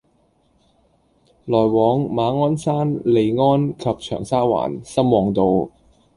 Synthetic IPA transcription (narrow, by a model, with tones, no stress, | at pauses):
lɔː˨˩jwɔː˨˧ŋmaː˨˧ŋɔː˥nsaː˥nle˨˧jŋɔː˥nkʰɐ˨˧p̚t͡ʃʰœ̰ː˨˩ŋsaː˥wa̰ː˨˩nsɐ˥mwɔː˨˧ŋt̪o˨˧w